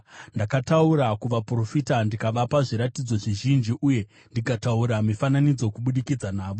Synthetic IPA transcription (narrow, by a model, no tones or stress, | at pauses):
ndakatauɾakuʋapro̞fitandikaʋapaʐiɾatid͡zo̞ʐiʒind͡ʒiʔuje̞ | ndikatauɾamifananid͡zo̞kuɓuɗikid͡zanaːʋo̞